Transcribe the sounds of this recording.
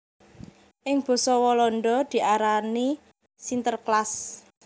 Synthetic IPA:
ʔɪŋb̥ɔ̤sɔwɔlɔnɖɔd̪̥i̤ʔaɾani | sint̪ərklas

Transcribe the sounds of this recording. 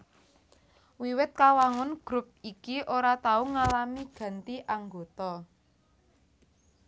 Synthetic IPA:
wiwɪt̪̚kawaŋʊnɡ̥ɾʊp̚ikiʔoɾat̪auŋalamiɡ̥ä̤nt̪iʔaŋɡo̤t̪ɔ

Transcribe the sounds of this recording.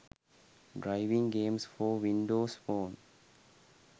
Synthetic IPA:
ɖɾaɪʋĩŋɡẽːmsfɔːʋĩɳɖoːsfoːn

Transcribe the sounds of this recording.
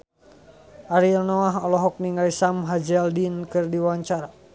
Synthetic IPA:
ʔaɾilnɔaɦɔlɔɦɔk̚niŋaisamɦad͡ʒɛaldinkɨrdiwaɲt͡ʃaɾa

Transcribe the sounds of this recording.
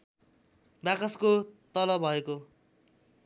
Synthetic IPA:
bakʌskot̪ʌlʌbʱʌeko

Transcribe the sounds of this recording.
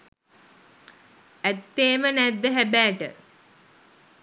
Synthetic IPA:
æt̪ːeːmənæd̪ːəɦæbæːʈə̰

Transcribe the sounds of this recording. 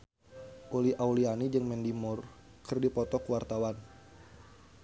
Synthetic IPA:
ʔoliʔaulianid͡ʒɨŋmɛndimʊr | kɨrdipɔt̪ɔkuwart̪awan

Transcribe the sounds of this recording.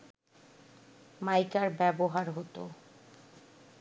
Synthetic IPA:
majkaɾbɛboɦaɾɦot̪o̰

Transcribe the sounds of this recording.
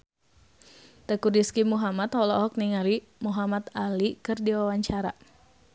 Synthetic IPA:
t̪əkudiskimuɦamat̪hɔlɔɔk̚niŋaɾi | muɦamat̪alikɨrdiwawaɲt͡ʃaɾa

